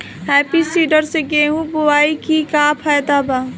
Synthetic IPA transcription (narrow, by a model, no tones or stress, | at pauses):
ɦɛːpisiːɖəɾseɡeːɦũbowaːikikaːpʰaːjd̪aːbaː